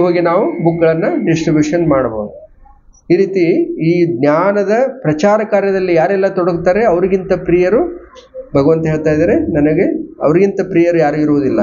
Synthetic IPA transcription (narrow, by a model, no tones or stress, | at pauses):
ɦoːɡinaːʋubukːɐɭɐnːɐɖisʈɾibjuːʂɐnmaːɽbo̞̰ːd̪u | iːɾiːt̪iiːɡnjaːnɐd̪ɐpɾɐt͡ʃaːɾɐkaːɾjɐd̪ɐlːijaːɾɛlːɐt̪ɔɽɐɡut̪aːɾe̞ɐʋɐɾiɡint̪ɐpɾiːjɐɾu | bʱɐɡɐʋɐnt̪ɐɦeːɭt̪aːjd̪ɐːɾe̞nɐnɐɡe̞ɐ̰ʋɐɾiɡint̪ɐpɾiːjɐɾujaːɾɡiɾuʋud̪ilːɐ